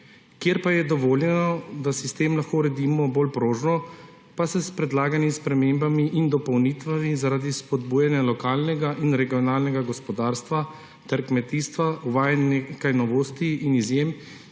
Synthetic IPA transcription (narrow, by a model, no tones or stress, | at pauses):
kjeɾpajɛd̪ɔʋoːljɛnɔd̪asist̪eːmlaxkoɾɛd̪iːmɔbolpɾoːʒnɔ | pasɛspɾɛd̪laːɡanispɾɛmeːmbamiʔind̪ɔpɔwniːt̪ʋamizaɾad̪ispɔd̪buːjanjalɔkaːlnɛɡaʔinɾɛɡijɔnaːlnɛɡaɡɔspɔd̪aːɾst̪ʋa | t̪ɛɾkmɛt̪iːst̪ʋaʔuʋaːjɛnekajnɔʋoːst̪iinizjem